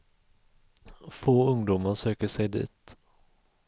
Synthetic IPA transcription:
foːɵŋd̪uːmaɾʂøːkəʂɛjd̪ḭːt̪

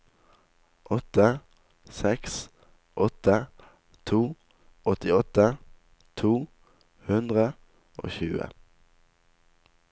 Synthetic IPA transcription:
ʔɔt̪ə | sɛks | ʔɔt̪ə | t̪ʰuː | ɔt̪ɪɔt̪ə | t̪ʰuː | hʉnd̪ʁə | ʔo̰ːçʉ̰ːə̰

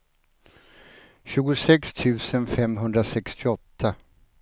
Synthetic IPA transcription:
ɕʉ̟ːɡʊsɛkst̪ʰʉ̟ːsənfɛmɦɵnd̪ɾasɛkst̪ʰɪɔt̪ʰːa

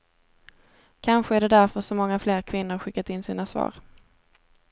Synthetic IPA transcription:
kʰanɧəæɖɛd̪æɾfœʂɔmɔŋːafleːɾkʰvɪn̪ːʊɾɧɪkːat̪ɪnːsiːnasvɑ̰ːɾ

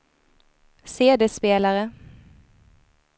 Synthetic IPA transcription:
seːd̪əspeːlaʁə

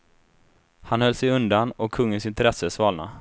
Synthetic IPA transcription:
hanhœlːsɛjɵnd̪anɔkʰːɵŋːənsɪnt̪ɾɛsːəsvɑːlna̰

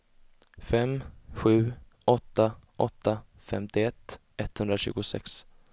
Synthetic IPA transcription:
fɛmːɧʉ̟ː | ɔt̪ːaʔɔt̪ːafɛmt̪ɪɛt̪ː | ɛt̪ːhɵnd̪ɾaɕʉ̟̰ːɡʊsɛ̰ks

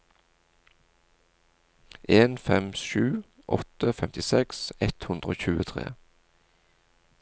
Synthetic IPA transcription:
ʔeːnfɛmʃʉː | ʔɔ̰t̪əfɛmt̪ɪsɛksɛt̪hʉnd̪ʁəoːçʉːət̪ʰʁḛː

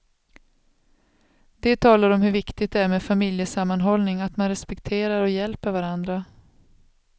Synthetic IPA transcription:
d̪̥ɛt̪ʰɑːlaɾɔmhɵɾvɪkt̪ɪɡt̪̚ɛæɾmeːd̪famɪljəsamːanɦɔlnɪŋat̪manɾɛspɛkt̪ʰeːɾaɾɔjɛlpəɾvaɾand̪ɾa

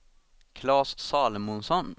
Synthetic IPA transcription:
kʰlɑːssɑːləmʊnsɔn

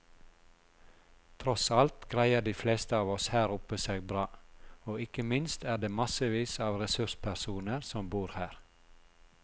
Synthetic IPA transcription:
t̪ʰɾɔsɑlt̪ɡ̥ɾæɪəɖiːfleːst̪əɑːʋɔshæːɾʊpəseːɡ̚bɾɑːoːɪkəmɪnst̪æːɖeːmɑsəʋiːsɑːʋɾɛsʉʃpʰæɾsuːnəɾsɔmbuːɾhæːɾ

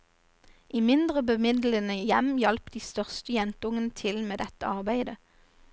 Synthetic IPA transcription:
ʔiːmɪnd̪ʁəbəmɪd̪lənəjɛmjɛlpd̪iːst̪œʁst̪əjɛnt̪əʊŋənət̪ʰɪlmeːd̪ɛt̪əɑʁbæɪd̪ə

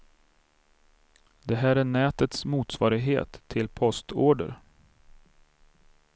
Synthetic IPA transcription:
d̪ɛɦæːɾæːɳɛːt̪ət̪smuːt̪svɑːɾɪɡɦḛːt̪ʰːɪlpʰɔst̪oːɖə̰ɾ

